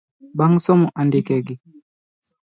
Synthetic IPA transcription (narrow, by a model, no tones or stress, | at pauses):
baŋsɔmuʔandikɛɡi